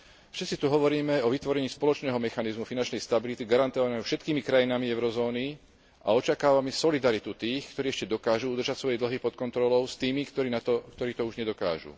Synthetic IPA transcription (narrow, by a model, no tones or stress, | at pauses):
fʃɛt̪t͡sit̪uɦɔʋɔɾiːmɛɔʋit̪ʋɔɾɛɲiːspɔlɔt͡ʃnɛːɦɔmɛxanizmufinant͡ʃnɛjst̪abilit̪iɡaɾant̪ɔʋamɛɛfʃɛt̪kiːmikɾajinamiɛʊɾɔzɔːni | ʔa̰ɔt͡ʃakaːʋamɛsɔlid̪aɾit̪ut̪iːxkt̪ɔɾiːɛʃcɛd̪ɔkaːʒuud̪ɾrʒacsʋɔjɛd̪l̩ɦipɔt̪kɔnt̪ɾɔlɔʊst̪iːmikt̪ɔɾiːnat̪ɔkt̪ɔɾiːt̪ɔuʒɲɛd̪ɔka̰ːʒṵː